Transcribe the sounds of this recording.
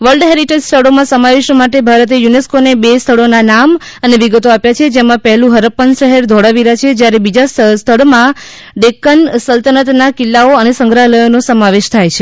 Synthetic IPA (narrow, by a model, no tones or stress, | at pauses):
ʋəlɖɦeɾiʈed͡ʒst̪ʰəɭomãsəmaʋeʃmaʈebʱaɾət̪̬ejuneskonebest̪ʰəɭonanam | əneʋiɡət̪oapjat͡ʃʰed͡ʒemãpɛɦlũɦəɾəpːənʃəɦeɾd̪ʱoɽaʋiɾat͡ʃʰed͡ʒjaɾebid͡ʒasst̪ʰəɭmã | ɖekənsəlt̪ənət̪nakɪlːaoənesə̃ŋɡɾaɦləjonosəmaʋeʃt̪ʰajt͡ʃʰe